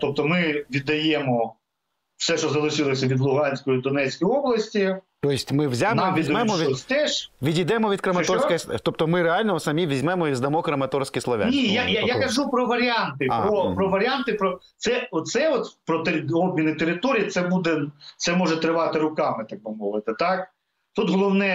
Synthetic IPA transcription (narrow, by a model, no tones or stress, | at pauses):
t̪ɔp̚t̪ɔmɪʋʲid̪ɐjɛmɔ | fsɛʃt͡ʃɔzɐlˠɪʃɪlˠɐsʲɐʋʲid̪lˠʊɦɑnʲsʲkɔjid̪ɔnɛt͡sʲsʲkijɔblˠɐsʲtʲit̪ɔjɪsʲtʲmɪʋzʲanɑmʋʲizʲmɛmɔʋʲiɔsʲt̪ɛʃʋʲidʲid̪ɛmɔʋʲid̪̚kɾɐmɐt̪ɔrskɔjst̪ɔp̚t̪ɔmɪɾeɑlʲnɔɔsɐmʲiʋʲizʲmɛmɔʋʲizd̪ɐmɔkɾɐmɐt̪ɔrskɪjslˠɐʋʲa̰nʲijajajakɐʒupɾɔʋɐɾʲɑnt̪ɪɔpɾɔʋɐɾʲant̪ɪpɾɔt̪sɛɔt̪t̪sɛɔt̪pɾɔt̪ɔb̚mʲinɪt̪eɾɪt̪ɔɾʲijit̪sɛbud̪ɛt̪sɛmɔʒɛt̪ɾɪʋɑt̪ɪɾʊkɑmɪt̪ɑk̚bɪmɔʋɪt̪ɪt̪ɑk | t̪ut̪ɦɔlˠɔwnɛ